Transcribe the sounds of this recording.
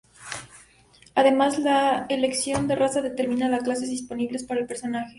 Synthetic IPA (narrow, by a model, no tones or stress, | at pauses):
aðe̞mazlaele̞ksjo̞nd̪e̞rʔasaðe̞t̪e̞ɾmĩnalasklase̞zðispo̞niβle̞spaɾaelpe̞ɾso̞naxe̞